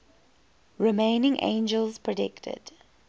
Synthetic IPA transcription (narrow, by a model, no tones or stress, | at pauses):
ɹɪmẽɪnɪ̃ŋʔḛ̃ɪ̃nd͡ʒəlˠzpʰɹədɪktʰə̰d̥